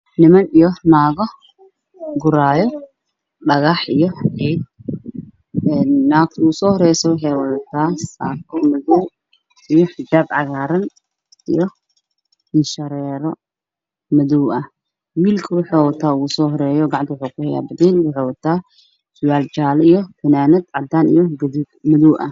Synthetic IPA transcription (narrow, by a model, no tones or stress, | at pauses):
nɪmɐnijɔnaːɣɔ | ɡʊɾaːjɔ | ɖɐɣaħijɔɛjd̪ | ɛːnːaːk̚t̪ʰusɔːhɔɾɛjsɔwɑħɛwɐt̪ʰaːsa̰ːkʰɔmɐðɔw | ijɔħɪd͡ʒaːd̪ʕɑɣaːɾɐn | ʔḭjɔ | ɪnʃɐɾɛːɾɔ | mɐðuwʔɐ | wiːlkʰɐwʊħowɔt̪ʰːaːɣusɔɦɔɾɛjɔɡaʕnt̪ɪwʊħukʊhɛja̰ːbɐd̪ɛlwʊħɛwɐt̪ʰːaː | sʊwaːld͡ʒaːlijɔfʰɐnaːnɐd̪ʕad̪aːnḭjɔɡɐd̪ud̪mɐðuʔɐ̰